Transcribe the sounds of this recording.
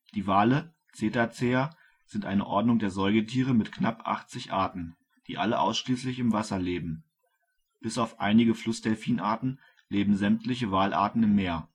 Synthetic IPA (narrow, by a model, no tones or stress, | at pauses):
d̥iːvaːlə | t͡seːtat͡seːɐ | z̥ɪntʔaɪnə̰ʔɔɐdnʊŋdeːɐzɔʏɡətʰiːʁ̞əmɪtknapʔa̰χt͡sɪçʔaɐtn̩ | d̥iːʔaləʔa̰ʊsʃliːslɪçɪmvasɐleːbm̩ | b̥ɪsaʊfʔa̰ɪnɪɡəflʊsd̥ɛlfiːnʔaːɐtn̩ | leːbm̩zɛmtlɪçəvaːlʔa̰ːɐtn̩ɪmːeːɐ